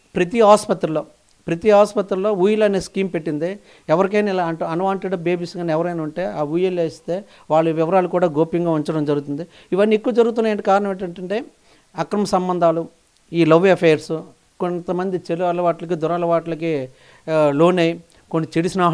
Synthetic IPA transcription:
pɾɐt̪iɦaːspɐt̪ɾuloː | pɾɐt̪iɦaːspɐt̪ɾulːo̞ːʋujɐlɐneːskiːmpe̞ʈːind̪i | ɛʋɐɾik̬ɐjnɐilaɐɳʈuɐnʋaːɳʈeɖɐbeːbisɡaːniɛʋɐɾɐjnuɳʈe̞ːaːuːjeleːst̪e̞ː | ʋaːɭːuʋɪʋɐɾaːlukuːɽaːɡoːpjɐŋɡaːuɲt͡ʃɐɽɐmd͡ʒɐɾuɡut̪und̪i | iʋɐnːiekːuʋɐd͡ʒɐɾuɣut̪unːaːjeɳʈikaːɾɐnɐmeːɳʈɐɳʈɐɳʈe̞ː | ɐkɾɐmɐsɐmbɐnd̪ʱaːlu | iːlɐʋɐpʰeːɐɾsu | kont̪ɐmɐnd̪it͡ʃeluɐlɐʋaːʈlɐk̬id̪ʊɾaːlɐʋaːʈɐlɐki | lo̞ːnej | konːit͡ʃeɽisnaː

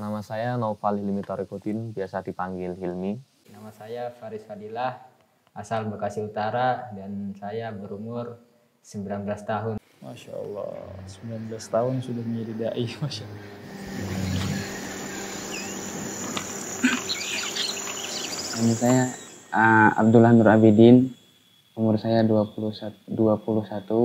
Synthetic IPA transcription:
namasajanofalilimit̪aɾikot̪ɪnbiasadipaŋɡɪlɦilmi | namasajafaɾɪsfadilah | asalbəkasɪut̪aɾadansajabəɾumʊr | səmbilanbəlast̪aɦʊn | ma̰ʃa̰ɔ̰lːɔ̰səmbilanbəlast̪aɦʊnsudahmiɾidaʔimaʃalːɔ | umusajaəa̰b̚dulahnuɾabidin | umʊrsajaduapuluhsaduapuluhsat̪u

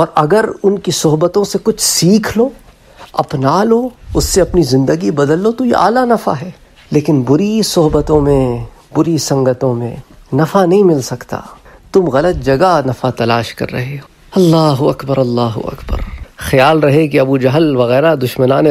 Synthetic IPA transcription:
ɔːɾɐɡəɾʊnkisʊɦbət̪õsekʊt͡ʃʰsiːkʰlo | ɐ̰pnaːloʊsːeɐpnizɪ̃nd̪əɡibɐd̪əlːot̪ojḛʔa̰ːlanɐfa̰ɦɛː | leːkɪnbʊɾisʊɦbət̪õmẽ | bʊɾisɐ̃ŋɡət̪õmḛ̃nɐfanɐɦĩmɪlsɐkt̪a̰ːt̪ʊmɣɐlət̪̚d͡ʒɐɡanɐfat̪ɐlaːʃkɐ̰ɾːɐ̰ɦeɦ | ɐlːaːɦuɐkbəɾɐlːaːɦṵɐ̰kbə̰ɾxɐjaːlɾɐɦek̬iɐbud͡ʒɐɦəlʋɐɣɛːɾad̪ʊʃmənaːne

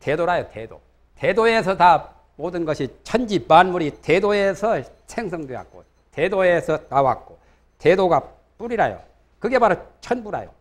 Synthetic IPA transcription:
te̞doɾajotedo̰ | te̞doe̞sʰʌta | modɯnɡʌɕʰit͡ɕʰʌnd͡ʑimanmuɾite̞doe̞sʰʌ | sʰeŋsʰʌŋdwewa̰k̚k͈o̰ | tedoe̞sʰʌnawa̰k̚k͈o | tedoɡa | p͈uɾiɾajo̰ | kɯɡe̞maɾot͡ɕʰʌnbuɾa̰jo̰

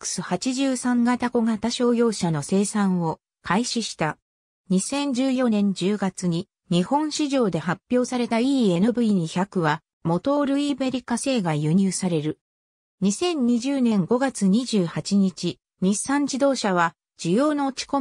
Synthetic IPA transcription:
kɯ̥sɨhat͡ɕiʑɨːsãŋɡat̪ako̞ɡat̪aɕo̞ːjo̞ːɕano̞se̞ːsãɰ̃o̞ | kʰaiɕiɕi̥t̪a | ɲ̟isẽ̞ɲd͡ʑɨːjo̞nẽ̞ɲ̟d͡ʑɨːɡat͡sɨɲ̟i | ɲ̟ihõ̞ɰ̃ɕiʑo̞ːd̪e̞hapʲːjo̞ːsaɾe̞t̪aiːe̞nɯbɯ̟iɲ̟içʲakɯ̟βa | mo̞t̪o̞ɾɯ̟ibe̞ɾʲikase̞ːɡajɯ̟ɲ̟ɨːsaɾe̞ɾɯ̟ | ɲ̟isẽ̞ɲ̟ɲ̟iʑɨːnẽ̞ŋɡo̞ɡat͡sɨɲ̟iʑɨːhat͡ɕiɲ̟it͡ɕi | ɲisãɲ̟d͡ʑid̪o̞ːɕaβ̞a | d͡ʑ̥ɨjo̞ːno̞ːt͡ɕi̥ko̞

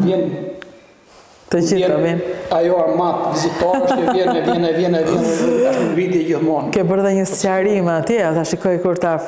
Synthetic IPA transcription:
vjɛn | t̪əd͡ʑiavɛnajɔamat̪vizit̪ɔɾʃɛvjɛnɛvjɛnɛvjɛnɛvjɛnɛaʃmənvid̪iɛɟiθmɔnkɛbəɾðɛɲəscaɾimɛat̪jɛat̪aʃikɔjkuɾt̪a

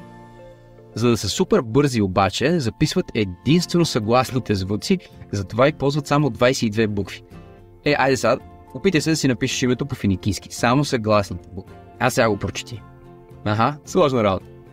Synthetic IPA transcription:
zɐd̪ɐsɛsupɛɾbɤɾziobat͡ʃɛzɐpisvət̪ɛd̪inst̪vɛnosɐɡlˠasnit̪ɛzvut̪si | zɐt̪ovaipɔlˠzvət̪samod̪vajsɛid̪vɛbukvi̥ | ɛʔajd̪ɛsa | opit̪əsɛd̪ɐsinɐpiʃɛ̥ʃimɛt̪opofinikʲiski̥samosɐɡlˠasnit̪ɛbukvi | asɛɡaɡopɾot͡ʃɛ̥t̪i | ɐɦaslˠɔʒnəɾabot̪ə̥

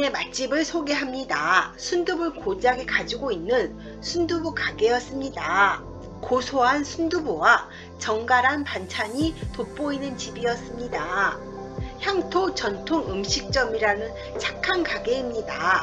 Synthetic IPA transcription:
e̞mat͡ɕ͈ibɯɭsʰoɡe̞ɦamɲidasʰundubɯɭkod͡ʑaɡekad͡ʑiɡoinːɯn | sʰundubukaɡe̞jʌs͈ɯmɲida | kosʰoɦansʰundubowa | t͡ɕʌŋɡaɾɦanpant͡ɕʰaɲitop͈oinɯnt͡ɕibiʌs͈ɯmɲida | çjaŋtʰot͡ɕʌntʰoŋɯmɕʰik̚t͡ɕ͈ʌmiɾanɯn | t͡ɕʰakʰːankaɡe̞imɲida

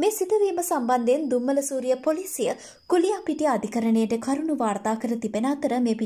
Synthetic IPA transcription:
meːsit̪əʋiːməsamband̪end̪umːələsuːɾijəpolisijə | kulijapiʈiɐd̪ʱikəɾənejəʈəkʰaɾunuʋaːrt̪aːkəɾət̪ibenəat̪əɾəmepi

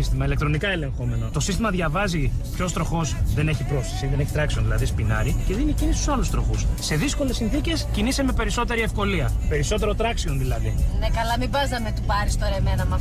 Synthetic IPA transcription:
ist̪imɐile̞k̚t̪ɾo̞nikɐe̞le̞ŋxo̞me̞no̞t̪o̞sist̪imɐðʝɐvɐzipço̞st̪ɾo̞xo̞sðe̞neçipɾo̞sti̥siðene̞çit̪ɾɐkseonðilɐðispinɐ̰ɾice̞ðinicinist̪u̥sɐlust̪ɾo̞xusːe̞ðisko̞le̞sːinθice̞sciniseme̞pe̞ɾiso̞t̪e̞ɾie̞fko̞liɐpe̞ɾiso̞t̪e̞ɾo̞t̪ɾɐksio̞nðilɐðinekɐlɐmibɐznɐmet̪upɐɾist̪oɾemenɐmɐ

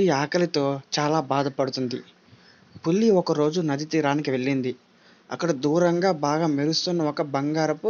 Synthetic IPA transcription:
iaːkɐlit̪o̞ːt͡ʃaːlaːbaːd̪ɐpɐɽut̪und̪ḭ | pulːiɔkɐɾo̞ːd͡ʒunɐd̪it̪iːɾaːnikiʋe̞ɭːind̪i | ɐ̰kːɐɽɐd̪uːɾɐŋɡaːbaːɡaːmiɾust̪unːɐɔkɐbɐŋɡaːɾɐpu

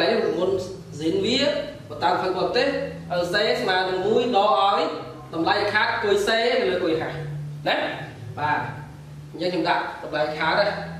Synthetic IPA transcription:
laj̚nimmun | zinʋiəpɔt̪aːmpʰəɓɔːt̪eːhʔəəseːsmaənɨŋmuəjɗɔːʔaɔj | ɗɑmlajʔakʰaːt̪̚kuəjseːnɨləːkuəjɦahnɛh | ɓaː | ɲt͡ɕəŋkʰɲomɗaʔɗɑmlajkʰaːt̪a

